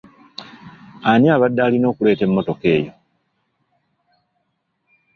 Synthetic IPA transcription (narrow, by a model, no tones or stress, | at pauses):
anjaːβadːaːlino̞ːkule̞ːte̞mːo̞to̞ke̞ːjo̞